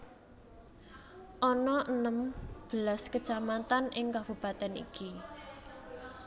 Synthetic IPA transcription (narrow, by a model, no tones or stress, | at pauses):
ʔɔnɔʔənəmb̥əlaskə̥t͡ʃamat̪anʔɪŋkab̥ub̥a̤t̪anḭki